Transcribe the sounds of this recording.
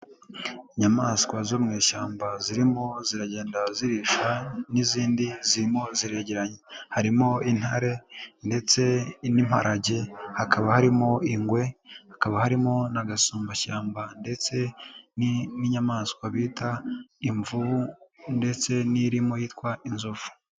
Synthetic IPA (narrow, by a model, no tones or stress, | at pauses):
iɲamaskwazomŋiːʃaːmbaziɾimo̞ziɾaɟe̞ːndaziɾiʃaniziːndiziɾimo̞ziɾe̞ːɟe̞ɾaɲehaɾimo̞in̥haɾe̞nde̞t͡se̞nim̥a̰ɾʔaɟe̞hakʰaβahaɾimo̞iŋɡwe̞hakaβahaɾimo̞naɡasuːmbaʃaːmbande̞t͡se̞niniɲamaːskwaβiːtaiɱvuβunde̞t͡se̞niɾimo̞jiːtkwaʔinzufu̥